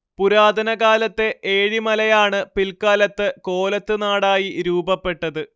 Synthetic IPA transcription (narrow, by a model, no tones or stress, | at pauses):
puɾaːd̪ʱɐnɐɡaːlɐt̪ːe̞ʔeːɻimɐlɐjaːɳɨpilkaːlɐt̪ːɨko̞ːlɐt̪ːɨnaːɽaːjiɾuːbɐpːe̞ʈːɐðɨ